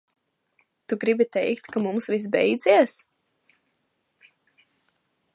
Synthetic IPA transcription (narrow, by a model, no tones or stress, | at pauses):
t̪uɡɾibit̪ɛjkt̪kamumsvis̬bɛjd̪ziɛs